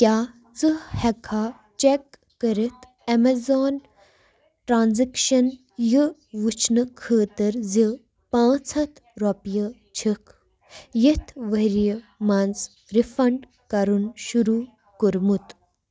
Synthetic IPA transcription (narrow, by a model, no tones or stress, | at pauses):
kʲjaː | t͡sɨhɛkʰaː | t͡ʃekː | əɾit̪ʰ | ɐmezoːn | ʈɾaːnzikʃɐn | jəʋut͡ʃʰnɨkʰəːt̪əɾzi | pãːt͡sʰɐt̪ʰ | ɾopjə | t͡ʃʰikʰ | jit̪ʰʋəɾij | mɐnt͡s | ɾifɐɳɖ | kɐɾunʃuɾu | kuɾmut̪